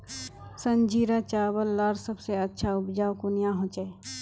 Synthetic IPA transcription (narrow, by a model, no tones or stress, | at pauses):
sə̃nd͡ʒiːɾat͡ʃaːbəlːaːɾsəbseɐtːʃʰaʊbd͡ʒaːwkunijãɦõːt͡ʃae